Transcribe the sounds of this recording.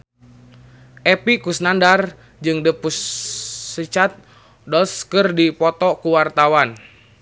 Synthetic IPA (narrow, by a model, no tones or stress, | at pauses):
ʔɛpikusnandar | d͡ʒɨŋdəpusː | ət͡ʃat̪̚ | dɔlskɨrdipɔt̪ɔkuwart̪awan